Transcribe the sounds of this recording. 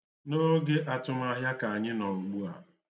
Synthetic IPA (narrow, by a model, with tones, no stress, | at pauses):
no˦ɡe˦ʔa˨tʊ˦˨m˦a˨ɦja˦ka˨a˨ɲɪ˦nɔ˨u˨ɡ͡bu˦a̰˨